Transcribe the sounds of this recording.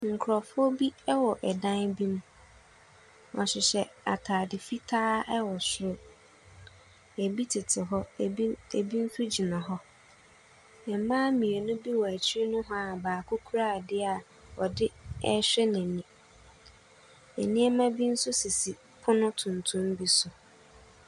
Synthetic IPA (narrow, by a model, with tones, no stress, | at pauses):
ŋ̩˨kʰɾɔ˨fʊ˦ɔ˦bi˦ɛ˦wɔ˨ʔɛ˨dã˦nbĩ˦m˦ | ɔ̰˨ɕɪ˨ɕɛ˨a̰˨tʰaː˨dɪ˨fi˦tʰaː˦ɛ˦wɔ˨sʊ˦ɾʊ˦ | æ˨bi˦tʰɪ˨tʰɪ˨ɦɔ˦ḛ˨bi˦n̩˦sʊ˦d͡ʑi˨nã˨ɦɔ˦ | ɛ˨m˨˦mãː˦mĩ˨e˨nʊ̃˦bi˦wɔ˨æ˨t͡ɕʰɪ˦i˦nʊ̃˦ɦɔ˦a˨baː˨kʰʊ˦kʰu˦ɾaː˦˨dɪ˦a˨ | ɔ˨dɪ˦ɛ˦ɕᶣɛ˦næ̃˨nĩ˨ | ɛ̰˨nɪ̃˦ɛ˦mã˦bi˦n̩˦sʊ˦si˨si˨ | pʰʊ˦nʊ̃˦tʰʊ̃˨ntʰʊ̃˦mbi˦sʊ˨